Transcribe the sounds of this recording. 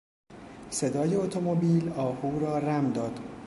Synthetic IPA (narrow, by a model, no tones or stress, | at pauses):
se̞d̪ɒːjeot̪ʰomobiːlɒːhuːɾɒːræmd̪ɒːd̪̥